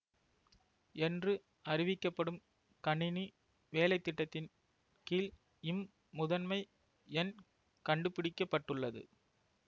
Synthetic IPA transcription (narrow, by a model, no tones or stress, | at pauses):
ɛndrɯ | ʔɐrɪʋɪkːɐpːɐɽɯm | kɐɳːɪni | ʋeːlɐɪt̪ːɪʈːɐt̪ːɪn | kiːl | ɪmː | ʊðɐnmɐɪ | ɛn | kɐɳɖɯpːɪɽɪkːɐpːɐʈːɯɭːɐðɯ̰